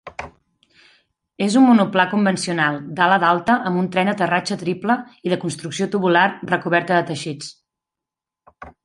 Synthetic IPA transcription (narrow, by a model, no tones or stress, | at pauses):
ezumːunuplakumbənsiunalˠd̪aləðalˠt̪əʔəmbunt̪ɾɛnd̪ət̪ərat͡ʃət̪ɾipləiðəkunst̪ɾuksiot̪uβularrəkuβɛɾt̪əðət̪əʃit͡s